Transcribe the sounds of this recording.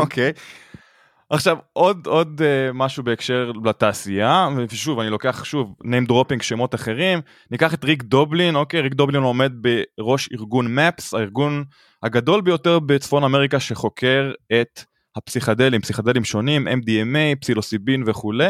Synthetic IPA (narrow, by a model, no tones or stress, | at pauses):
okʰej | ʔaχʃavʔo̞d̪o̞d̪emaʃube̞ːkʃe̞ʁlataːsiaveveʃuvanilo̞ke̞aχʃuvnejmd̪ʁo̞piŋɡʃemo̞t̪aχe̞ʁim | nikaχet̪ʁiɡdoblino̞ke̞jʁik̚d̪oblino̞me̞d̪̚be̞ʁo̞ʃḭʁɡunmɛpsaiʁɡun | haɡado̞lbejo̞te̞ʁbe̞t͡sfo̞nameʁikaʃe̞χo̞kʰe̞ʁe̞t | hapsiχad̪e̞limpsiχad̪elimʃo̞nimʔḛmdiemejpsilosibinveχule̞